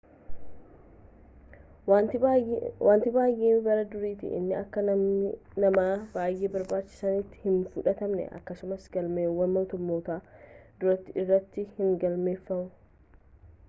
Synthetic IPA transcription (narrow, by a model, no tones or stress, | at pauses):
waːnt̪ɪbaːjʔiːnbɐɾɐd̪ʊɾiːt̪ɪ̰ʔɪ̰nːɪɐkːɐ | nɐmaːbaːjːeːbɐɾbaːt͡ʃːɪ̥sɐnit̪ːɪ̥hɪnfʊᶑɐt̪ɐmnɛ̰ʔɐ̰kːɐsʊmɐsɡ̥ɐlmeːwɐnmoːt̪ʊmːo̞ːt̪aːd̪̥ʊɾɐt̪ːɪɪrːɐt̪ːɪhɪŋɡɐlme̞ːfːɐmʊ